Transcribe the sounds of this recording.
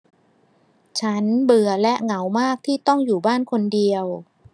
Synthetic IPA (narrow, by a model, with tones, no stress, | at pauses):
t͡ɕʰa˦˥nbɯ˨˩ɐlɛ˦˥ʔŋa˩˦wmaː˥˩k̚t̪ʰiː˥˩t̪ɔ˥˩ŋjuː˨˩baː˥˩nkʰo˧ndi˧əw